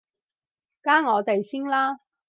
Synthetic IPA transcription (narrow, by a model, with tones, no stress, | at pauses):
kaː˥ŋɔː˨˧t̪e˨jsɪ˥ŋlaː˥